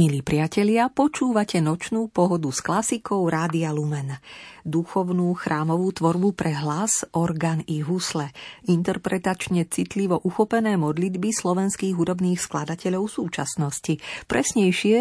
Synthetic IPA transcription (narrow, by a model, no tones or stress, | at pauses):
milipɾɪacɛʎɪapɔt͡ʃuːʋacɛnɔt͡ʃnuːpɔɦɔd̪usklasikɔʊɾaːd̪ialumɛnd̪uxɔʊnuːxɾʔaːmɔʋuːt̪ʋɔɾbupɾʔɛɦlazɔɾɡaniɦuslɛint̪ɛɾpɾɛt̪at͡ʃɲɛt͡sit̪liʋɔʔuxɔpɛnɛːmɔd̪lid̪bislɔʋɛnskiːɣɦud̪ɔbniːxsklad̪acɛʎɔʊfsuːt͡ʃa̰snɔscipɾɛsɲɛjʃɪɛ